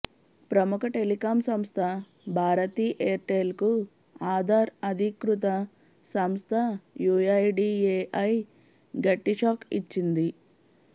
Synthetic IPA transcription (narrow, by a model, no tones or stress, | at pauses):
pɾɐmukɐʈelikaːmsɐmst̪ʰɐ | bʱaːɾɐt̪iːʔeːɾʈeːlku | aːd̪ʱaːɾɐd̪ʱikɾut̪̬ɐ | sɐmst̪ʰɐjuːjɐjɖiːeːʔɐj | ɡɐʈːiʂaːkit͡ʃːind̪i